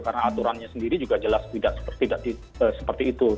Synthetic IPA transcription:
kaɾənaːt̪uɾanɲasəndiɾid͡ʒuɡad͡ʒəlast̪idaʔsə̥pət̪idaʔdi | əsə̥pərt̪iːt̪u

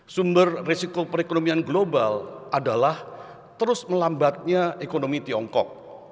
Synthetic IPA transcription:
sumbərrisikopəɾekonomianɡlobalʔadalah | t̪əɾʊsməlambat̪̚ɲaekonomit̪iɔŋkɔ̰k̚

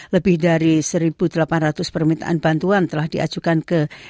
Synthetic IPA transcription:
ləbɪhdaɾisəɾibudəlapanrat̪ʊspərmint̪a̰ʔanbant̪uant̪əlahdia̰d͡ʒukankə

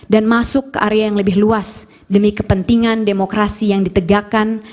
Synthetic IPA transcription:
danmasʊkːəʔaɾeajaŋləbɪhluas | dəmikəpənt̪iŋandemokɾasijaŋdit̪əɡakan

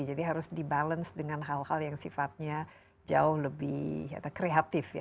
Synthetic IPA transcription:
id͡ʒadiɦaɾʊsdibalənsdəŋanɦalhaljaŋsifat̪̚ɲa | d͡ʒa̰ʊhləbɪ̰ha̰t̪akɾeat̪ɪfja̰

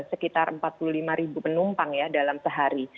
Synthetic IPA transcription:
səkit̪arəmpat̪̚pululimaɾibupənumpaŋjadalamsəɦaɾi

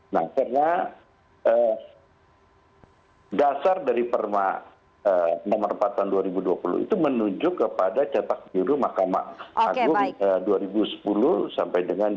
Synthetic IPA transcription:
na̰hkarna | ʔə | dasardaɾipərma | ənamərəmpat̪anduaɾibuduapulʊ̰ḭt̪umənuɲd͡ʒʊkːəpadat͡ʃat̪ak̚buɾumahkama̰ʔaɡʊŋəduaɾibusə̥pulʊsampajdəŋan

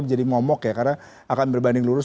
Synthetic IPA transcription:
p̚d͡ʒadimɔmɔkjakarna | akanbərbandɪŋluɾʊs

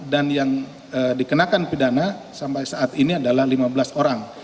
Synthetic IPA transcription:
danjaŋ | ədikənakanpidana | sampajsaʔːt̪iniadalahlimabəlasoɾaŋ

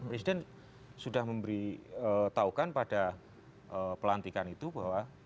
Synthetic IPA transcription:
pɾesidɛn | sudahməmbəɾiət̪aukanpada | ʔəpəlant̪ikanit̪ubawa

